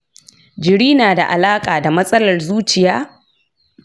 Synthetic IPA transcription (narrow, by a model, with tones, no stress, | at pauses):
d͡ʒɪ˨ɽiː˦naː˨da˨ʔa˨laː˦kʼaː˨da˨mɐ˦sʼɐ˦lɐ˨rzuː˦t͡ʃɪ˨jaː˦